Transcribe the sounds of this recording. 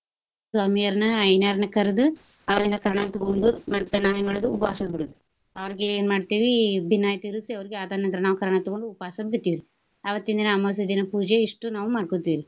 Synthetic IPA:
sʋaːmijɐɾnɐɐjnaːɾnɐkɐɾed̪u | ɐʋɐɾlind̪ɐkɐɾɐɳɐt̪ɔɡoɳɖumɐɾpɐnːaːjɐŋɡɐɭɐd̪uupɐaːsɐbiɽud̪u | ɐʋɐɾiɡeeːnmaːɖt̪iːʋibʱinːaːjɐt̪iɾusiɐʋɐɾiɡeaːd̪aːnɐnd̪ɾɐnaːʋukɐɾɐɳɐt̪ɔɡoɳɖuːpaːsɐbit̪ːiːɾi | ɐʋɐt̪ːind̪ineɐmɐs̬ɐd̪inɐpuːd͡ʒeiʂʈunaːʋumaːɖkoːt̪ːiːɾi

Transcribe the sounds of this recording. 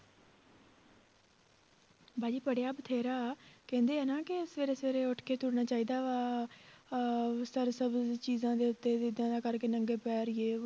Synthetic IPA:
baːd͡ʒiːpəɽejaːbət̪ʰeːɾaːkɛ̃ːnd̪eːaːnaːkɪɪsʋeːɾeːsʋeːɾeːʊʈʰkeːt̪ʊɽnaːt͡ʃaːiːd̪aːʋaː | səɾsəbt͡ʃiːzãːd̪eːʊt̪ːeːd̪ed̪jãːd̪aːkəɾkeːnəŋɡeːpɛːɾeː

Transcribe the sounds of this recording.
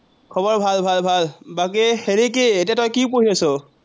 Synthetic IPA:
kʰɔβɔɹbʱalbʱalbʱalbak̬iheɹikeetiatɔjkipoɹiasɔ

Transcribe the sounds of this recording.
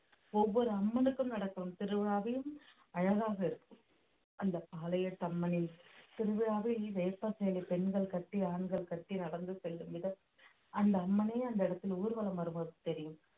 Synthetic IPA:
ɔʋːɔɾɯɐmːɐnɯkːɯmnɐɽɐkːɐɾɯmt̪ɪɾɯʋɪɻaːʋɐjɯm | ɐɻɐɣaːɣɐɪɾɯkːɯm | ɐnd̪ɐpːaːlɐjɐʈːɐmːɐnɪnt̪ɪɾɯʋɪɻaːʋiʋeːpːɐsɛjlipɛnɡɐɭkɐʈːiaːɳɡɐɭkɐʈːinɐɽɐnd̪ɯsɛlːɯmʋɪðɐ | ɐnd̪ɐːmːɐneːɐnd̪ɐɪɽɐt̪ːɪluːɾɯʋɐlɐmɐɾɯmɐɾt̪ɛɾɪjɯm

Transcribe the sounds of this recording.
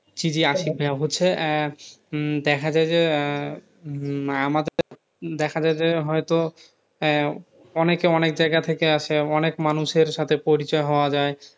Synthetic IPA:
t͡ɕid͡ʑiaʃik̚bʱeaɦotːɕʰe | d̪ɛkʰad͡ʑaed͡ʑe | amad̪eɾɾ | d̪ɛkʰad͡ʑaed͡ʑeɦɔjt̪o | ɔnekeɔnek̚d͡ʑajɡat̪ʰekeaʃʰeɔnekmanuʃeɾʃat̪ʰepoɾit͡ɕɔeɦɔoad͡ʑae

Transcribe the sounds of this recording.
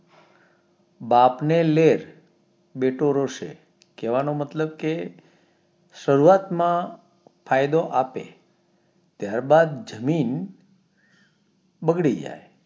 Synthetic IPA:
bapneleɾ | beʈoɾoʃḛ | keʋanomət̪ləb̚ke | ʃəɾuat̪mã | fʰajd̪oʔapḛ | t̪jaɾbad̪d͡ʒəmin | bəɡɽid͡ʒa̰j

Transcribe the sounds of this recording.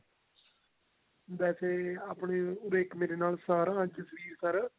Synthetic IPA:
d̪ɛːseːaːpɳeːʊɾeːkmeːɾeːnaːlsəɾaə̃t͡ʃəsəʋiːɾsəɾ

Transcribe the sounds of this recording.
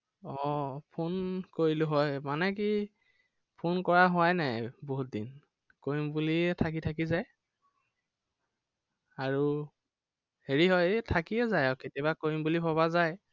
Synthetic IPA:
ɔpʰonkoɹilʊɦɔjmanɛk̬i | pʰonkɔɹaɦʊwajnajboɦut̚din | kojimbuliɛtʰak̬itʰak̬izaj | aɹu | heɹiɦɔjtʰakiɛzajɔketiabakojimbulipɔβazaj

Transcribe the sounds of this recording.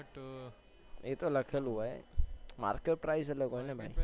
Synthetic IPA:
eːt̪olɐkʰəlɦuaḛma̰ːɾkeʈ̚pɾaːizɐləɡoɦenɛbʱaːi

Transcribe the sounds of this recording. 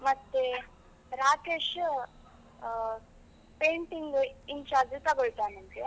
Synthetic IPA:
mɐt̪ːe | ɾaːkeːʃ | peːɳʈiŋɡiɲt͡ʃaːɾd͡ʒt̪ɐɡoɭt̪aːnɐmɡe

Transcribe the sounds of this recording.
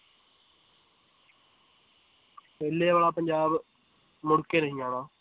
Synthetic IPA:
peːlːeːʋaːlaːpəɲd͡ʒaːb | mʊɽkeːɾəɦijãːnãː

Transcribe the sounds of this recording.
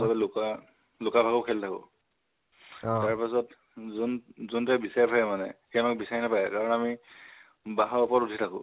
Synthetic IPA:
sabɛlʊka | lʊkabʱaɡɔkʰɛltʰakʊ̰̃ | taɹpasɔt | zunzuntɛbisajpʰajɛmanɛ̰kɛmak̚bisaɹinapajɛkaɹɔnami | baɦaɔpɔtutʰitʰakʊ̃

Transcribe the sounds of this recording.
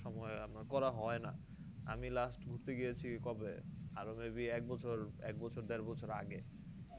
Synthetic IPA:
ʃɔmɔeamnakɔɾaɦɔena̰ | a̰milasʈɡʱuɾt̪eɡijet͡ɕʰikɔbeaɾomebiɛk̚bɔt͡ɕʰoɾɛ̰k̚bɔt͡ɕʰoɾd̪eɾbɔt͡ɕʰoɾaɡe

